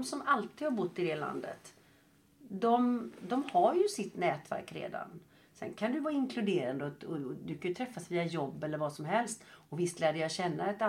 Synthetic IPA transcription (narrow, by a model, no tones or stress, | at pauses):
msɔmalt̪iːd̪haɾbʊt̪ːɪd̪ɛla̰nd̪ə̰t̪ | d̪ɔmd̪ɔmhaɾjɵsɪt̪nɛːt̪væ̰ɾkɾḛːd̪a̰n | sɛ̰nkʰand̪ɵvɑːɪŋkʰlɵd̪eːɾand̪əɔɔd̪ʉkʰajʏt̪ʰɾɛfːasviːajɔbːɛlːəɾvɑsɔmɦɛlst̪ɔvɪst̪læːɖəjɑɕɛnːaɛt̪a